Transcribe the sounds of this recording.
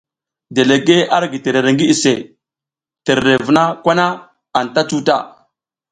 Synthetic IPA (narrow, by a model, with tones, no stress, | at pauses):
de˨le˨ɡe˦a˦ɾɡi˨te˨ɾe˨ɾe˨ŋɡi˦i˨se˨ | te˨ɾɾe˨vu˨na˦kʷa˦na˦ | a˨nta˦t͡ʃu˦ta̰˦˨